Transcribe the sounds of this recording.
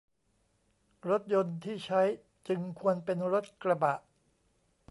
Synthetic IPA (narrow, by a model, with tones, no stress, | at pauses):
ɾo˦˥t̪̚jo˧nt̪ʰiː˥˩t͡ɕʰa˦˥j | t͡ɕɯ˧ŋkʰu˧ənpe˧nɾo˦˥t̪̚kɾa˧ba˨˩ʔ